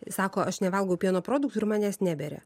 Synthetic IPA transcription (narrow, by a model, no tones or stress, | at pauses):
sɑːkoːʔɐʃnʲɛʋɐlˠɡɐʊpʲiɛnoːpɾoːd̪ʊkt̪ʊɪɾmɑːnʲɛːsnʲæːbʲeɾʲɛ̰